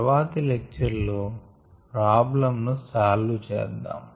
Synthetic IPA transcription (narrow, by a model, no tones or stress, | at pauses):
ʋaːt̪ilek̚t͡ʃɐɾlu | pɾaːblɐmnusaːlːut͡ʃɛ̰ːd̪ːa̰ːm